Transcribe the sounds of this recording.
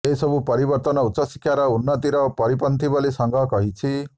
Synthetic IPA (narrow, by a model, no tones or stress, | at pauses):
eisʌbupʌɾibʌrt̪ʌnʌut̪ːsʌsi̥kʰːjaɾʌunːʌt̪iɾʌpʌɾipʌnt̪ibʌlisʌŋɡʌkʌɦit͡sʰi